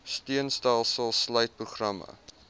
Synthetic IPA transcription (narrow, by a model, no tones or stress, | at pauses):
stiənstælˠsəlˠslœɥt̚pruχrɐmə̰